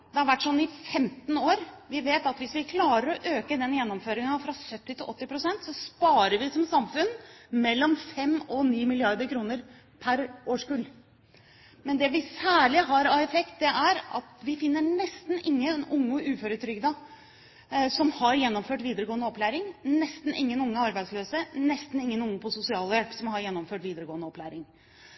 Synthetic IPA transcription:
d̪ɛhɑɾʋæʈːʂɔnːɪfɛmt̪n̩oːɾʋɪʋeːt̪ɑt̪ʋɪsʋɪkʰlɑːɾəɾɔʔøːkəd̪ɛnjɛnːɔmføːɾɪŋɑfɾɑsœt̪ːɪt̪ɪlʔɔt̪ːɪpɾʊsɛnt̪sɔspɑːɾəɾʋɪsɔmsɑmfʉnmɛlːɔmfɛmɔniːmɪlɪɑɾd̪əɾkʰɾuːnəɾ | pʰæɾoːʂkʉl | mɛnd̪ɛʋɪsæːɭɪɦɑɾɑɛfɛkt̪̚d̪ɛʔæɾɑ̰t̪ʋɪfɪnːəɳɛst̪n̩ɪŋːənʊŋːəʔʉːføːɾət̪ʰɾʏɡd̪ə | sɔmhɑɾjɛnːɔmføːʈʋiːd̪əɾəɡoːənəɔplæːɾɪŋnɛst̪n̩ʔɪŋːənʊŋːəɑɾbæɪsløːsənɛst̪n̩ɪŋːənʊŋːəpʰɔsʊsɪɑːləjɛlpsɔmhɑɾjɛnːɔmføːʈʋiːd̪əɾəɡoːnəɔplæːɾɪŋ

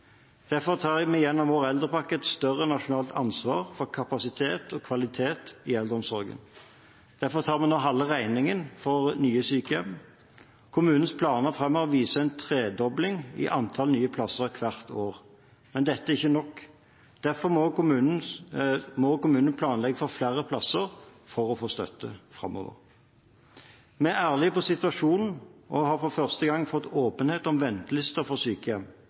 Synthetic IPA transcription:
d̪̥æɾfɔʁt̪ʰɑːʁmɛjɛnːɔmʋoːɾɛld̪ʁəpɑkːəɛt̪st̪œʁənɑʂʊnɑːlt̪ʰɑnsʋɑːʁfɔʁkʰɑpɑsɪt̪ʰeːt̪ʰɔːkʰʋɑlɪt̪ʰeːt̪ɪɛld̪əʁɔmsɔɾɡə̰n | d̪̥æɾfɔt̪ʰɑːʁmɛnoːɦɑlːəʁæɪnɪŋənfɔʁnyːəsyːkəjɛm | kʰʊmʉːnn̩spʰlɑːnəʁfʁɛmːɔʋiːsəɛɪnt̪ʰʁeːd̪ɔblɪŋɪ̰ʔɑnt̪ʰɑlnyːəpʰlɑsəʁkʰʋɑʁt̪ʰoːʁ | mɛnd̪ɛt̪ːəæɪçːənɔkː | d̪̥æʁfɔʁmɔʊmʉːnn̩ | mɔkʊmʉːnənpʰlɑːnlɛɡəfɔɾflæːɾəpʰlɑsəʁfɔʁɔfoːst̪œ̰t̪ʰːəfʁɑ̰mːɔ̰ːʋə̰ʁ | mɛææːʁlɪpɔsɪt̪ʉʋɑʂuːnn̩ʔɔhɑːɾfɔfœʁst̪əɡɑŋːfɔt̪ːoːpənheːt̪ɔmʋɛnt̪əlɪst̪əʁfɔsyːkəjɛm

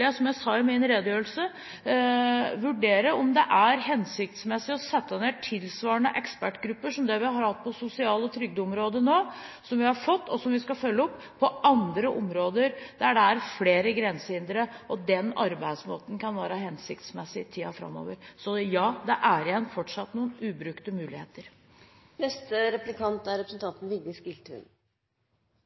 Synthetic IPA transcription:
æsɔmjæɪsɑːɪmɪnɾeːd̪jøːəlsə | ʋʉɖeːɾəɔmd̪ɛʔæɾɦɛnsɪk̚t̪smɛsːɪɔsɛt̪ʰːəneːʈʰɪlsʋɑːɳəʔɛkspæʈːɡɾʉpːəʂɔmd̪ɛʋɪhɑɾhɑt̪̚ːpʰɔsʊsɪɑːlɔt̪ʰɾʏɡ̚d̪əʊmɾoːd̪ənoːsɔmʋɪhɑɾfɔt̪ːɔsɔmʋɪskɑfœlːəɔpʰːɔʔɑnd̪ɾəʔʊmɾoːd̪əɾd̪̥æɖɛæɾfleːɾəɡɾɛnsəɪnd̪ɾəʔɔd̪ɛnɑ̰ɾbæɪd̪smoːt̪n̩kɑnʋæːɾəɦɛnsɪkt̪smɛsːɪt̪ʰiːɑfɾɑ̰mːo̰ːʋəɾsɔjɑːd̪ɛʔæɾɪjɛnːfɔʈʂɑt̪ːnuːənʉːbɾʉkt̪əmʉːlɪhḛːt̪əɾ | nɛst̪əɾɛplɪkʰɑnt̪æɾɛpɾəsən̩t̪ɑnt̪n̩ʋɪɡd̪ɪskɪlt̪ʰʉ̰ːn

